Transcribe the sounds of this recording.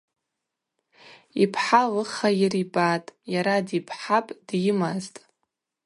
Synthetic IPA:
ipʰħalɨχajiribatʼjaɾadipʰħapʼd̥jɪmaztʼ

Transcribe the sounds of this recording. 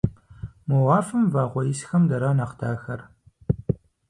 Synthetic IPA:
muwaːfɨmvaːʁʷɔjɪsxɐmdɐɾaːnɐχdʰaːxɐr

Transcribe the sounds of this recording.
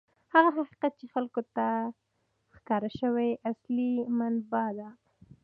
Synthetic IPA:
haɣaɦaqi̥qat̪̚t͡ʃexalkot̪a | xkɑɾaʃəwejʔaslimanbɑd̪a

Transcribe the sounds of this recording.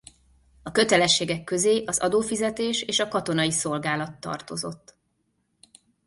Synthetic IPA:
ɒkø̞t̪ɛlɛʃːeːɡɛkːø̞zeːʔɒzɒ̰d̪oːfizɛt̪eːʃeːʃɒkɒt̪o̞nɒjiso̞lɡaːlɒt̪ːɒ̰rt̪o̞zo̞̰t̪ː

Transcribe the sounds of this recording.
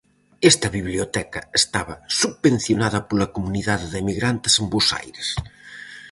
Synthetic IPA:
est̪ɐβiβliot̪ɛkɐest̪aβɐsuβben̟θjonaðɐpolɐkomuniðaððemiɣɾant̪esembosa̰jɾes

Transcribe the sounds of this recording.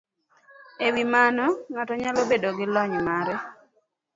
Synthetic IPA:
ewimanɔŋatɔɲalobedoɡɪlɔɲmaɾɛ

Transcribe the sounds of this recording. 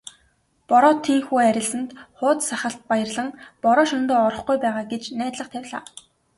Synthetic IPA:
pɔɾɔːt̪ʰːiːŋxuːæɾʲɪ̆ɮsə̆nt̪χʊːt̪saχə̆ɬt̪̚pajə̆rɮə̆ŋpɔɾɔːʃɔnt̪ɔːɔɾɞ̆χɡujpæːʁaːɡet͡ɕnæːt̪ɮə̆χt̪ʰæwʲɮa̰ː

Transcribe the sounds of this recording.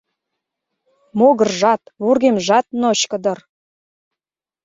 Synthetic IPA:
moɣə̆rʒɑt̪βurɣemʒɑt̪̚noɕkə̆d̪ɤ̆r

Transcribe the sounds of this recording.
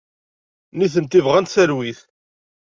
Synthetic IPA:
niθənt̪ivʁænt̪θəɾwiθ

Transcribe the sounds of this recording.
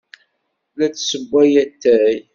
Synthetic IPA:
læt͡sːsəbʷːæjæt̪ːæj

